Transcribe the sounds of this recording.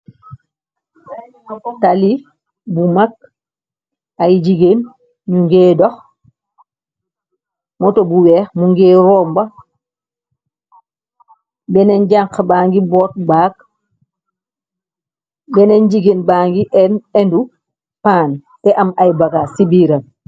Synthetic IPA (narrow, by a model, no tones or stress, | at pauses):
tali | bumak̚ | ajd͡ʒiɡen | ɲuŋɡɛːdɔx | mɔtobuwɛːxmuŋɡɛːɾɔːmba | bɛnɛɲɟaŋkbaːŋɡibɔːt̚baːk | bɛneɲd͡ʒiɡenbaŋɡiʔɛnɛndu | paːn | tɛʔamajbaɡasibiɾan